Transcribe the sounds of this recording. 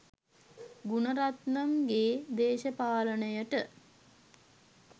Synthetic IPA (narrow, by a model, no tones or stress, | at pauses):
ɡunəɾat̪namɡeːd̪eːʃəpaːlənəjəʈə